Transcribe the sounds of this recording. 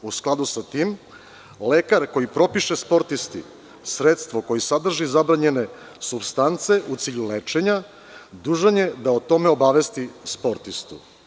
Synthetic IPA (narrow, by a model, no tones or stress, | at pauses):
usklˠad̪usat̪iːm | lekaɾko̞jipɾo̞piʃespo̞ɾt̪ist̪i | sɾet̪st̪ʋo̞ko̞jisad̪r̩ʒizabɾaɲe̞ne̞ | subst̪ant̪se̞ʔut̪siːʎulet͡ʃe̞ɲa | d̪uʒanje̞d̪aot̪o̞meo̞baʋe̞st̪ispo̞ɾt̪ist̪ṵ